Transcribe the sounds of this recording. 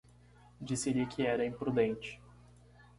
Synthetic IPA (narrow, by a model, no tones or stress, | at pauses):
d͡ʒisɪlɪkʰɪɛɾɐĩpɾud̪ẽnt͡ʃɪ̥